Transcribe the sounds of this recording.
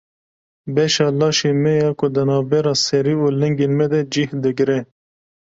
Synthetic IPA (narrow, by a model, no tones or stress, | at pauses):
beʃɑːlɑːʃimejɑːkud̪ənɑːbeɾɑːseɾiuleŋɡinmed̪ed͡ʒihd̪əɡɾe